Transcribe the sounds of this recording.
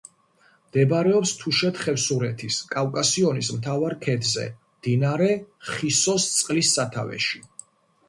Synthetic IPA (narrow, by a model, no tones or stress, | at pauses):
md̪̥ɛbɾɛɔpst̪ʰuʃɛt̪χɛfsuɾɛt̪ʰiskʼawkʼasiɔnismt̪ʰavaɾkʰɛd̪zɛ̰md̪̥inaɾɛχisɔst̪sʼqʼlisːat̪ʰavɛ̰ʃi